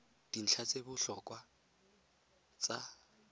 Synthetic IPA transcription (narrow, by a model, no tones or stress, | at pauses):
d̥in̩t͡ɬʰat͡sʼebʊɬɔkʼwa | t͡sʼa